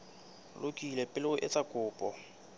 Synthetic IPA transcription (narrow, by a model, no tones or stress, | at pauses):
lʊkʼilɛpʼɪlɪʊʔɪt͡sʼakʼʊːpʼɔ